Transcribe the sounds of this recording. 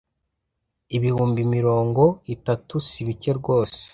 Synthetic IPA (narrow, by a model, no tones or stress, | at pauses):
iβihuːmbimiɾo̞ːŋɡo̞itatusiβice̞ɾɡo̞ːse̥